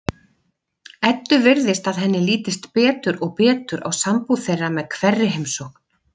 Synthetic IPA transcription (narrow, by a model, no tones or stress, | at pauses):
ɛt̪ːʏvɪɾðɪst̪aðɦɛnːɪliːt̪ɪst̪pɛːt̪ʏɾɔɣpɛːt̪ʏɾʔa̰wsampuθejrːamɛðkʰvɛrːɪɦejmsɔkn̥